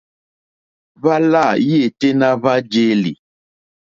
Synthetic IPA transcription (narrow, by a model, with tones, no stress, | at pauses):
va˦la˦˨je˦˨te˦na˦βa˦d͡ʒe˦lḭ˨